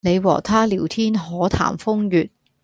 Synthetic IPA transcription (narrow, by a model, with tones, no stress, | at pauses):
ne˨˧jwɔ̰ː˨˩t̪ʰaː˥liː˨˩wt̪ʰiː˥nɦɔː˨˥t̪ʰa̰ː˨˩mfʊ˥ŋjyː˨t̚